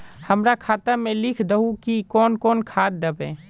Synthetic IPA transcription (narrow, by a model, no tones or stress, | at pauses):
hɐmɾakʰaːt̪amẽlɪkʰd̪əɦukikɔːnkɔːnkʰaːt̪̚d̪əbɛ̰̃ː